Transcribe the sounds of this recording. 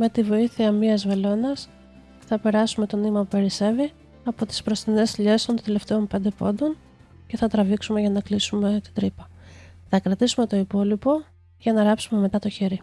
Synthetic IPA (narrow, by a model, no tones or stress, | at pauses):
me̞t̪ivo̞iθiɐmiɐzve̞lo̞nɐs | θɐpe̞ɾɐsumet̪o̞nimɐpupe̞ɾise̞vi | ɐpo̞t̪i̥spɾo̞st̪ine̞sʎe̞st̪o̞nt̪ele̞ft̪e̞o̞mpe̞nd̪epond̪o̞n | ce̞θɐt̪ɾɐviksume̞ʝɐnɐklisume̞t̪i̥d̪ɾipɐ | θɐkɾɐt̪isume̞t̪o̞ipo̞lipo̞ | ʝɐnɐɾɐpsume̞me̞t̪ɐt̪o̞çeɾi